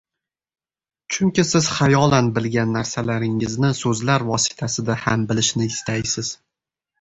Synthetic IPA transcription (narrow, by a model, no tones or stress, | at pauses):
t͡ʃʰʊŋkʲɪsɪz̥χajɒlanbɪlɡʲanːaɾsalaɾɪŋɪznɪsɵzlaɾvɒsɪ̥t̪ʰasɪd̪ahambɪlɪʃnɪɪst̪ʰajsɪz̥